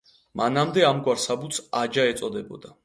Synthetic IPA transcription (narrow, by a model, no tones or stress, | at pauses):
manamd̪ɛamɡwaɾsabut̪sad͡ʒaɛt̪sʼɔd̪ɛbɔd̪a